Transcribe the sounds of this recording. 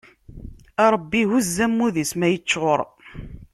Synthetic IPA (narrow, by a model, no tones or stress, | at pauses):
ɑɾˤəbːihuzːæmːuðismæjət͡ʃːʁoɾˤ